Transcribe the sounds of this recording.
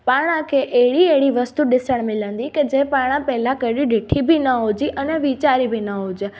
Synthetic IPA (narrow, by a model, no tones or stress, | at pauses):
paːɽ̃ãkʰeʔeɦɪɽieɦɪɽiʋɐst̪uɗɪsəɽ̃mɪlə̃nd̪iked͡ʑẽpaːɽ̃ãpɛɦlãkɐɾiɗɪʈʰibinɐɦod͡ʑiʔɐnɛʋit͡ɕaːɾibʱinɐɦud͡ʑ